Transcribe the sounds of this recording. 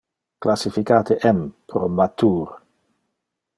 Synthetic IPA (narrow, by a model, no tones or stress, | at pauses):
klasifikaːt̪eʔɛmpɾomat̪uːɾ